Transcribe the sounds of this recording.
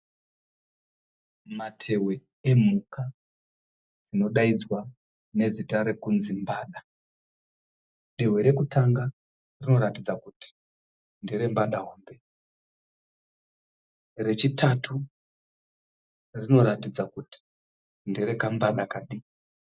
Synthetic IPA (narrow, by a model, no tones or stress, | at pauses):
matʰe̞we̞ | emuka | d͡zino̞ɗaid͡zwa | ne̞zitaɾe̞kunzimbaːɗa | ɗewe̞ɾe̞kutʰaŋɡa | rino̞ɾatid͡zakuti̥ | ndeɾe̞mbaɗaɦoːmbe̞ | re̞t͡ʃitʰatʰu | rino̞ɾatid͡zakuti̥ | ndeɾe̞kambaɗakaɗi